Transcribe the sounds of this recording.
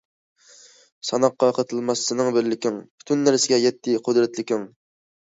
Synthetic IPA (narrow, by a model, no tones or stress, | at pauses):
sɑnɑqːɑjqʰət̪ʰɨlˠmɑsːɨnɨŋbɪɾlɪkʲɪŋpʰʊ̥t̪ʰynːæɾsɪɡʲɛjɛt̪ʰːɪqʰʊd̪ɾɛt̪lɪkʲɪŋ